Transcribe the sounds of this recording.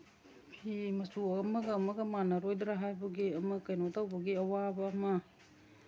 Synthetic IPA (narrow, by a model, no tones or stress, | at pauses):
pʰimɐsuɐmɐɡɐːmɐɡɐmanɐɾojdɾaɦajbɐɡiɐmɐkajnotawbɐɡiɐwabɐːmɐ